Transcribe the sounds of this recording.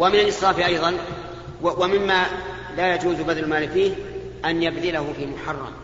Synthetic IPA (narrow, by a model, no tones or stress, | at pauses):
wamɪnalʔɨsˤɾɑːfiʔɑjðˤɑn | wamɪmːa | laːjad͡ʒuːzɡad̪llmaːlfiːh | ʔanjabðɪlahʊfiːmʊħɑrˤːɑ̰m